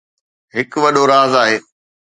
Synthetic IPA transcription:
ɦɪkʋɐɗoɾaːzaːɦeː

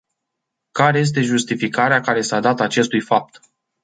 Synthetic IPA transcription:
kaɾe̞je̞s̬t̪e̞ʒust̪ifikaɾeakaɾe̞sad̪at̪at͡ʃe̞st̪ujfap̚t̪

